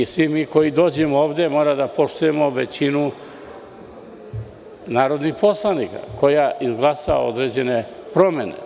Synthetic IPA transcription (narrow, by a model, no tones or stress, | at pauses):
isʋimiːko̞jid̪o̞ːd͡ʑemooːʋd̪e̞mo̞ːɾad̪apo̞ʃt̪uje̞moʋet͡ɕinu | naːɾo̞d̪nixpo̞slˠanika̰ko̞jaʔizɡlˠasaa̰o̞̰d̪ɾe̞d͡ʑe̞ne̞pɾo̞me̞nḛ